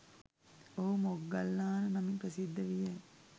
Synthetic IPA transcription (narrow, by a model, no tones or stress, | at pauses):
oɦumoɡːalːaːnənɐmiŋpɾəsid̪ʱːəʋije